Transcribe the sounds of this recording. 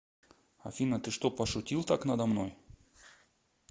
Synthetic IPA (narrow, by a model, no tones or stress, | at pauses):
ɐ̰fʲinət̪ɨʂt̪opəʂʊtʲilˠt̪aknəd̪ɐmnoj